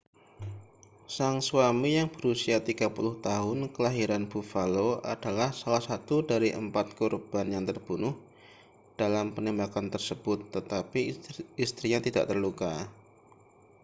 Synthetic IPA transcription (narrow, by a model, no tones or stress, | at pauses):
saŋsuwamijaŋb̥əɾusiat̪iɡ̥apulʊht̪aɦʊnkəlaɦiɾanb̥ufaloa̰d̥alahsalahsat̪udaɾiʔəmpat̪̚kurb̥anjaŋt̪ərb̥unʊh | d̥alampənembakant̪ərsəb̥ʊt̪ːət̪apiist̪ɾiɲat̪ida̰ʔt̪ərluka